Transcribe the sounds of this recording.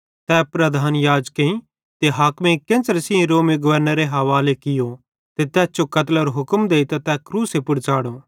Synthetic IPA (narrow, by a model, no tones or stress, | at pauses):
t̪ɛːpɾɐd̪ʱaːnjaːd͡ʒkẽĩ | t̪eɦaːkmẽkẽːnt͡ʃəɾsɪẽɾoːmeɡʊʋəɾnəɾeɦɐʋaːlekɪjo | t̪et̪ɛːsd͡ʒokɐt̪ləɾoɦʊkəmd̪eːit̪at̪ɛkɾuːsepʊɽt͡ʃaːɽo